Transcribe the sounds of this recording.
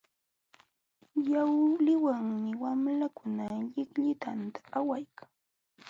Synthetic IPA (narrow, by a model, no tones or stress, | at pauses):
jawlɪwaŋmɪwamlakʊnaʎɪkʎɪt̪ant̪ḁːwajkʰḁŋ